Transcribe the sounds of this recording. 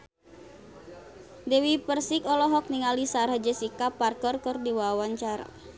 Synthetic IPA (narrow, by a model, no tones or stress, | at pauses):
dewipərsikɔlɔɦɔk̚niŋalisaɾahd͡ʒɛsikaparkɔrkərdiwawaɲt͡ʃaɾa̰